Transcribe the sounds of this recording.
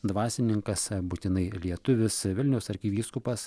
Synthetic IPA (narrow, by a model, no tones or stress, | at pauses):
d̪ʋɑːsʲɪnʲɪŋkɐsbʊt̪ʲɪnɐɪlʲiɛt̪ʊʋʲɪsʋʲɪlʲnʲɛʊsɐɾʲkʲiːʋʲiːskʊpɐs